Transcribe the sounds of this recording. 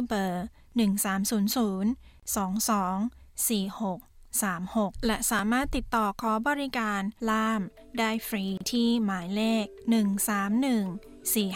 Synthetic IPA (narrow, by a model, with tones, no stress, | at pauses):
bɤː˨˩ | nɯ˨˩ŋsaː˩˦msuː˩˦nsuː˩˦n | sɔː˩˦ŋsɔː˩˦ŋ | siː˨˩ho˨˩k̚saː˩˦mho˨˩k̚lɛ˧˩ʔsaː˩˦maː˥˩t̪ːi˨˩t̪ːɔː˨˩kʰɔː˩˦bɔː˧ɾi˦˥kaː˧nlaː˥˩m | daː˥˩jfɾiː˧t̪ʰiː˥˩maː˩˦jleː˥˩k̚nɯ˨˩ŋsaː˩˦mnɯ˨˩ŋ | siː˨˩